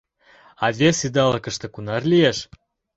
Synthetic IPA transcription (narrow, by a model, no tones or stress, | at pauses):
ɑvʲesid̪ɑlɤkə̆ʃt̪ĕkunɑrlijeʃ